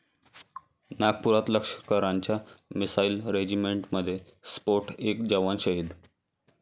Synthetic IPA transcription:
naɡ̚puɾat̪ləkʂə̥kəɾaɲt͡ɕjamisailɾed͡ʑimeɳʈməd̪ʱːje | spoɾʈʰekd͡ʑəʋanɕəɦid̪

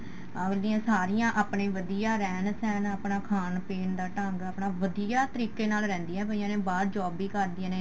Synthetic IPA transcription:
lɪːãːsaːɾɪjãːʔaːpɳeːʋəd̪ijaːɾɛːnsɛːnaːpnaːkʰaːnpeːnd̪aːʈəŋɡaːpnaːʋəd̪ijaːt̪əɾiːkeːnaːlɾɛ̃ːnd̪iːɛ̃ːpəiãːnẽːbaːɾd͡ʒɔːbiːkəɾd̪ɪãːneː

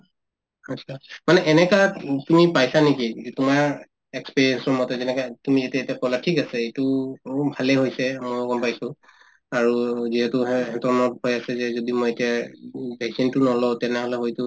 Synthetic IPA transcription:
at͡ʃʰamanɛʔɛnɛkatumipajsanikiɛtʊmaɹ | ɛkspiɹiɛnsɔɹmɔtɛzɛnɛkatumizatɛetijakɔlatʰikasɛetʊbʱalɛɦojsɛmojɡɔmpajsʊ̃ | aɹuziɦɛtʊɦɛtɔɹnɔthojasɛzɛzodimɔjetiabasintʊnɔlɔtɛnɛɦɔlɛɦojtʊ

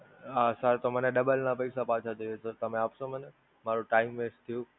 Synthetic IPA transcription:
ɦasəɾt̪oməneɗəbəlnapəisapãːt͡ʃʰat̪ʰiʋesəɾt̪ɐmẽaːpsõməne | maːɾuʈaːɪmʋeːst̪ʰijũ

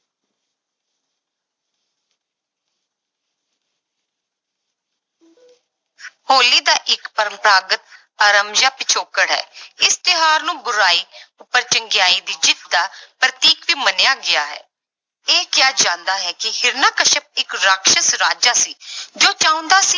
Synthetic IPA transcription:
hoːliːd̪aːʔɪkpəɾəmpɾaːɡət̪̚ | əɾəmd͡ʒaːpɪt͡ʃʰoːkəɽɦɛ̰ːɪst̪ɪɦaːɾnũːbʊɾaːiːʊpːəɾt͡ʃəŋɡɪjaːiːd̪iːt͡ʃɪt̪ːaːpɾət̪iːkʋiːmənejaːɡɪaːɦɛ̰ː | eːkɪjaːd͡ʒãːnd̪aːɦɛːkɪhɪɾnaːkəʃəp̚ɪkɾaːkʃəsɾaːd͡ʒaːsiːd͡ʒoːt͡ʃaːʊ̃nd̪aːsiː

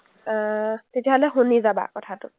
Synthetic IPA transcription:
t̪etʰiɦɔlɛɦunizaba̰kɔtʰatu

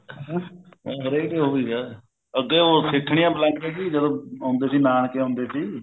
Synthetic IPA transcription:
ɦəɾed̪eːɦoːʋiːɡɛː | əɡeːoːsɪkʰːɳɪjãːblɛ̃ːɳʈpɛːɡiːd͡ʒəd̪õːãːnd̪eːsiːnaːnkeːõːnd̪eːsiː

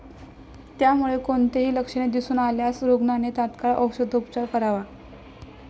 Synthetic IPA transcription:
t̪jamuɭekoɳt̪eɦiːləkʂəɳ̃ed̪isuːnaljasɾoɡnanet̪at̪kaɭa̰ʔəkʂəd̪ʱopt͡ɕaɾkəɾaʋa

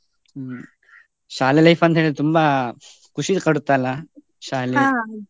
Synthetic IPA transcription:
ʃaːlilɐjfɐnt̪ɦeːɭt̪umba | kʰuʂid̪kɐɽut̪ːajla | ʃaːli

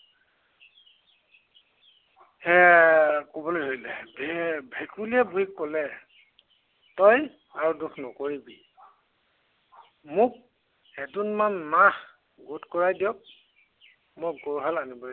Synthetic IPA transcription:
hɛ | kobɔlojɦojlɛbbʱɛkuliɛbʱuikːɔlɛ | tɔj | aɹudukʰnɔkoɹibi | mʊk̚ | ɛdunmanːah | ɡotkɔɹajdiɔk̚ | moɡɔɹɦalanibɔ

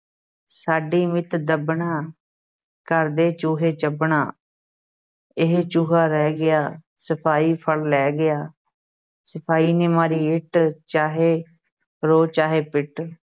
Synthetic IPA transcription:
saːɖiːmɪt̪d̪əbɳaː | kəɾd̪eːt͡ʃuːɦeːt͡ʃəbɳaː | ɪɦt͡ʃuːɦaːɾɛːɡɪjaː | səpʰaːiːpʰəɭlɛːɡɪjaː | səpʰaːiːneːmaːɾiːɪʈt͡ʃaːɦeː | ɾoːt͡ʃaːɦeːpɪʈ

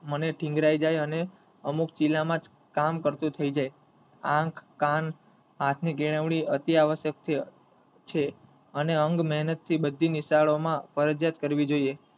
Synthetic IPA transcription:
məneʈʰĩŋɡɾaid͡ʒajəne | əmukt͡ʃilamãd͡ʒ | kamkəɾt̪ũt̪ʰəid͡ʒaj | ãkʰkan | ɦat̪ʰniɡeɭəʋɽ̃iət̪iaʋəʃjək̚t̪ʰi | t͡ʃʰe | əneəŋɡmɛɦnət̪ʰːibəd̪ʱːiniʃaɭomãfəɾəd͡ʒjat̪kəɾʋid͡ʒoie

